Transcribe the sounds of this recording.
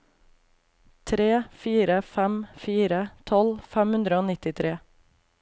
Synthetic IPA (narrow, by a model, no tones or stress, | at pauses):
t̪ʰɾeːfiːɾəfæmfiːɾət̪ʰɔlfæmhʉnd̪ɾəoːnɪt̪ɪt̪ʰɾeː